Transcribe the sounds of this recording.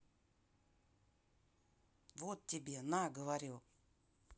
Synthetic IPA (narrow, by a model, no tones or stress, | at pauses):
votibinaɡəwaɾjo